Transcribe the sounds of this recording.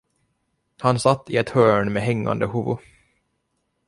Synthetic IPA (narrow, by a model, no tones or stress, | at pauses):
hansat̪ːɪɛt̪hœːɳmeɦɛŋːa̰nd̪əhuvʊ̰